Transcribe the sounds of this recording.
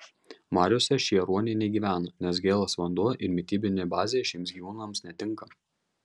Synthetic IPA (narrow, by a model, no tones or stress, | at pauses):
mɑːɾʲosʲɛʃʲiɛɾuɔnʲɪnʲɛɪɡʲiːʋʲæːnonʲɛs̬ɡʲeːlˠɐsʋɐnd̪uɔʔɪɾmʲɪt̪ʲiːbʲɪnʲeːjbɑːzʲeːjɛʃʲiːmsɡʲiʋuːnɐmsnʲɛt̪ʲɪŋˑkɐ